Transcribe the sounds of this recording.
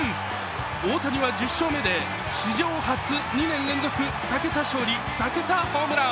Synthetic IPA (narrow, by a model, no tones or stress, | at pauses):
oːt̪aɲ̟iβad͡ʑɨɕːo̞ːme̞d̪e̞ | ɕiʑo̞ːhat͡sɨɲ̟inẽ̞nɾẽ̞nd͡zo̞kɯ̟ɸɯ̟̥t̪ake̞t̪aɕo̞ːɾʲiɸɯ̥t̪ake̞t̪ahoːmɯ̟ɾa